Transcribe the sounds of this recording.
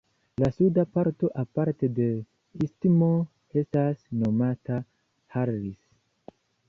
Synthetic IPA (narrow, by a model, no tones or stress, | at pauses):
lasudapaɾto̞ʔapaɾte̞de̞ | istimo | e̞stasno̞mata | haɾːis